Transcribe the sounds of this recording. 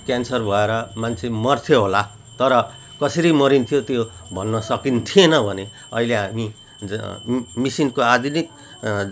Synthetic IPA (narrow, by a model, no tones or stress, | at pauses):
kjansʌrbʱʌeɾʌmant͡sʰemʌrt̪ʰjoɦola | t̪ʌɾʌ | kʌsʌɾimʌɾint̪ʰijot̪jobʱʌnːʌsʌkint̪ʰienʌbʱʌne | ʌ̰ileɦami | misinkoad̪ʱinik